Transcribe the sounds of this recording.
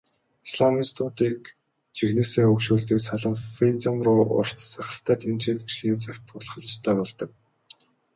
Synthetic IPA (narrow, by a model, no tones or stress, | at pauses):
isɮamiːst̪ʰʊːt̪iːk | t͡ɕʰixneːseːɵkʃuːɮt̪iːksaɮə̆ŋfit͡samrʊːʔʊ̰r̥t̪saχʲə̆ɬt̪æːt̪ʰent͡ɕeːn̆t͡ɕxiːnt͡sʰakʲt̪ʰʊɮχə̆ɮ̆t͡ɕt̪ʰæːpɔɮt̪ɞ̆k̚